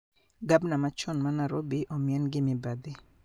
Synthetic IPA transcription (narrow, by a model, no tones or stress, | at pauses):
ɡabnamat͡ʃɔnmanaɾobiʔɔmiɛnɡɪmɪbad̪ɪ